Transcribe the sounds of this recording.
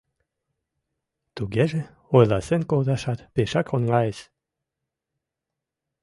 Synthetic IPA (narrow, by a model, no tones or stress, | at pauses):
t̪uɡɛʒĕ | ojlɑsenkod̪ɑʃɑt̪peʃɑkʁonɡɑes